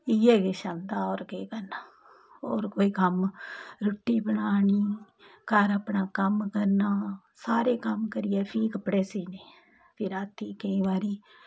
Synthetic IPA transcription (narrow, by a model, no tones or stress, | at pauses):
ɪːɛːɡeːʃand̪aːoːɾkeːkəɾnaː | oːɾkoːiːkəmɾʊʈːiːbəɳaːɳiː | kaːɾaːpɳaːkəmkəɾnaː | saːɾeːkəmkəɾɪjɛːpʰiːkəpːɽeːsiːneː | pʰɪɾaːt̪ːiːkəĩːʋaːɾiː